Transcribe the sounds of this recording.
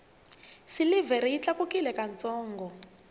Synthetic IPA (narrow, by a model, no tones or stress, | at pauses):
silivɛɾiit͡ɬakukilɛkant͡sɔːŋɡɔ